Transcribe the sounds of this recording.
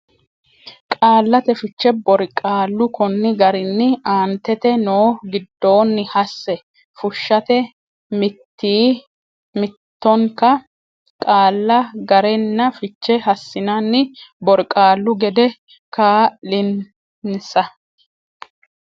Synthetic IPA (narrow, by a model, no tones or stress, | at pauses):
kʼaːlːɐt̪ɛfɪt͡ʃːɛbɔɾkʼaːlːʊkɔnːɪɡɐɾɪnːɪaːnt̪ːɛt̪ɛnoːɡɪd̪ːo̞ːnːɪhɐsːɛ | fʊʃːɐt̪ɛ | mɪt̪ːiː | mɪt̪ːɔŋkɐ | kʼaːlːɐɡɐɾɛnːɐfɪt͡ʃːɛɦɐsːɪnanːɪbɔɾkʼaːlːʊɡɛd̪ɛ | kaːlɪn | nsɐ